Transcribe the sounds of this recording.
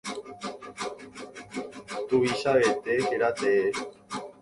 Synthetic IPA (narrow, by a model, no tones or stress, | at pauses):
t̪uβiʃaβet̪eheɾat̪ee